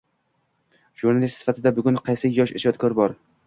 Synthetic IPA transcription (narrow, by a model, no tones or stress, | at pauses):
ʒ̥uɾnalist̪sɪ̥fat̪ʰɪd̪abʊɡʲʊnqʰɑjsɪjɒʃɪʃɒt̪̚kʰɒɾbɒɾ